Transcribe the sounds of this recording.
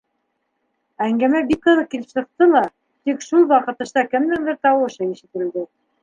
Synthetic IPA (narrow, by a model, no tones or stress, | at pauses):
æŋɡæmæbikːɤ̆ðˠɤq̚kilɘ̥psɤ̆q̚t̪ɤlˠɑ | t̪ikʃulˠwɑqɤ̆t̪ɤ̆ʃt̪ɑkɘ̆md̪ɘŋb̪ɘɾt̪ɑwɤ̆ʃɤiʃɘ̆t̪ɘ̆ld̪ɘ